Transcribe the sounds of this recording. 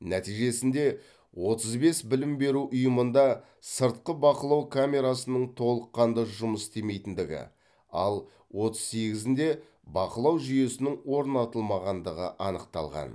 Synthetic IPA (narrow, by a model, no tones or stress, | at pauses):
næt̪ijʒe̞sɪnd̪e̞ | wo̞t̪əzbe̞sbɪlɪmbe̞ɾuʔʊjəmənd̪ɑ | səɾt̪̚qəbɑqəlˠɑwkʰamʲe̞ɾasənəɴt̪ʰo̞lˠəqːɑnd̪əʒʊməst̪e̞me̞jt̪ɪnd̪ɪɡʲɪ̰ | ɑ̰lˠ | wo̞t̪əz̥se̞ɡʲɪzɪnd̪e̞ | bɑqəlˠɑwʒʏje̞sɪnɪŋwo̞ɾnɑt̪əlˠmɑʁɑnd̪əʁə̰ʔɑnəqt̪ɑ̰lˠʁɑ̰n